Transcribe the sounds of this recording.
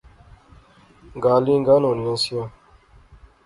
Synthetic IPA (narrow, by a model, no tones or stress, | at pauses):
ŋɡaliŋɡanõniãsia